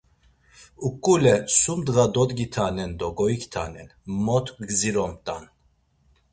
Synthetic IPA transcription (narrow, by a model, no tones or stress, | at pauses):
ukʼːulɛsumd̪ɣad̪ɔd̪ɡit̪ʰanɛnd̪ɔɡɔikʰt̪ʰa̰nɛnmɔt̪ʰɡɡziɾɔmt̪ʼan